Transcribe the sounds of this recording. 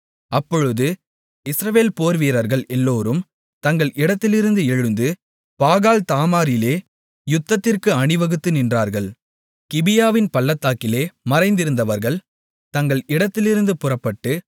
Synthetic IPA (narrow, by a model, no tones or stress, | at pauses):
ɐpːɔɻɯðɯ | ɪsɾɐʋeːlpoːɾʋiːɾɐɾɣɐɭɛlːoːɾɯm | t̪ɐŋɡɐɭʔɪɽɐt̪ːɪlɪɾɯnd̪ɯɛɻɯnd̪ɯ | paːɣaːlt̪aːmaːɾɪleː | jʊt̪ːɐt̪ːɪrkɯɐɳɪʋɐɣɯt̪ːɯnɪndraːɾɣɐɭ | kɪbɪjaːʋɪnpɐlːɐt̪ːaːkɪleːmɐɾɐɪnd̪ɪɾɯnd̪ɐʋɐɾɣɐɭ | t̪ɐŋɡɐɭɪɽɐt̪ːɪlɪɾɯnd̪ɯpʊrɐpːɐʈːɯ